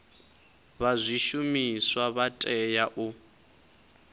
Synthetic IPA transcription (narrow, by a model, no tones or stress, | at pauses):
βazʷiʃumiswaβatʼɛjaʔu